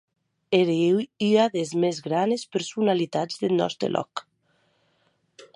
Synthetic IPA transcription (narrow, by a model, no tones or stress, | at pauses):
eɾewyaðezmezɣɾanespeɾsunalit̪ad͡zðelnɔ̰st̪ɾḛlʔɔ̰k